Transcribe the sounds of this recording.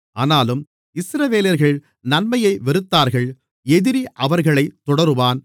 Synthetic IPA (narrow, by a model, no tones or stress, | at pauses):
ʔaːnaːlɯm | ɪsɾɐʋeːlɐɾɣɐɭ | nɐnmɐjɐɪʋɛɾɯt̪ːaːɾɣɐɭ | ɛðɪɾiʔɐʋɐɾɣɐɭɐɪt̪ːɔɽɐɾɯʋaːn